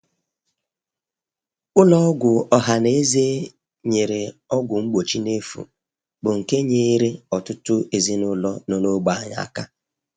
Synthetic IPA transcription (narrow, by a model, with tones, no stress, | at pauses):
ʊ˦lɔ˦ɔ˦ɡʷʊ˨ɔ˨ɦa˨ne˦ze˦ | ɲe˨ɾe˨ɔ˦ɡʷʊ˨ŋ͡m̩˦ɡ͡bo˨t͡ʃi˦ne˦fṵ˨ | bʊ˨ŋ̩˨ke˦ɲe˦ɾe˦ɔ˨tʊ˦tʊ˦e˨zi˦nʊ˦lɔ˦no˨no˦ɡ͡ba˨a˦ɲa̰˨a˨ka˦